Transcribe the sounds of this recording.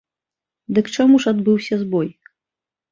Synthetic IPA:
d̪ɨkt͡ʂamuʂad̪bɨwsʲɐzbɔj

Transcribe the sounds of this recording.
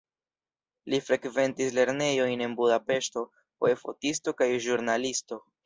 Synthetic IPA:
lifɾe̞kve̞ntisle̞ɾne̞jo̞jne̞nbudape̞ʃto̞ | o̰efo̞̰tisto̞kajʒuɾnalisto̞

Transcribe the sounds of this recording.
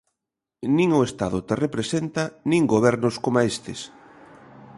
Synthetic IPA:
nĩŋʊest̪aðʊt̪erepɾesent̪anĩŋɡoβ̞ɛɾnʊskomaest̪ɪs

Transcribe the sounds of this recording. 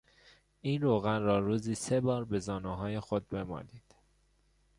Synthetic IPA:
iːnɾoːɣænrɒːɾuːziːse̞bɒːɾbe̞zɒːnuːɦɒːjexod̪̚be̞mɒ̰ːniːd̪̥

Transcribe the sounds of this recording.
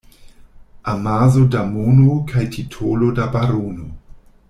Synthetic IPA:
amazodamonokʰajtʰitʰolodabaɾono

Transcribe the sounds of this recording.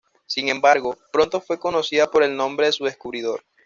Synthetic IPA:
siŋẽ̞mbaɾɣo̞pɾo̞nt̪o̞fwe̞ko̞no̞siðapo̞ɾe̞lnõ̞mbɾe̞ðesuðe̞skuβɾiðo̞ɾ

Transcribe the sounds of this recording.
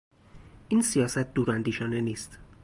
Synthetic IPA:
ʔiːnsijɒːsæt̪̚d̪uːɾænd̪iːʃɒːne̞niːst̪

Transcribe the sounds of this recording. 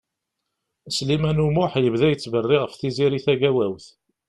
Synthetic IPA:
slimænumʊħjəvðæjət͡sːvərːɪʁəfθiziɾiθæɡæwæwθ

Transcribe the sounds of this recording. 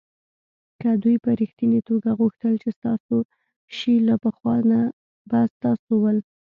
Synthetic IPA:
kəd̪ujpəɾixt̪init̪oɡaɣuxt̪əlt͡ʃest̪ɑso | ʃilapəxwɑna | bast̪ɑsowəl

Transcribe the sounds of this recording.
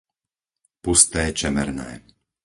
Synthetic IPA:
pust̪ɛːt͡ʃɛmɛ̰ɾnɛ̰ː

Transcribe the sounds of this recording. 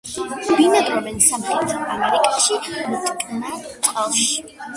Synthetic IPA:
binad̪ɾɔvɛnsamχɛɾɔt̪ʰaamɛɾikʼaʃimut̪ʼkʼnat̪ʼqʼɛlˠʃi̥

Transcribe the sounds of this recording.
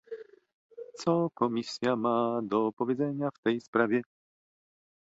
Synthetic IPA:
t̪sɔkɔmʲisʲjamad̪ɔpɔvʲjɛd̪zɛɲaft̪ɛjspɾavʲjɛ

